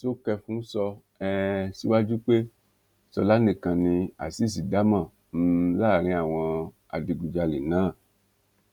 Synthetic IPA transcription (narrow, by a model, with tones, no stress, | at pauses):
so˦kɛ˧fũ˦n̩˦sɔ˧ | ɛ˦˧si˦wa˦d͡ʒu˦k͡pe˦ | sɔ˧la˦nĩ˨kã˨nĩ˧a̰˨si˦˨s̬i˨da˨˦mã˦˨˦ | laː˦˨ɾ̃ĩ˧a˨w̃ɔ̃˧ | a̰˨di˧ɡu˨˧d͡ʒa˧li˨nãː˦˨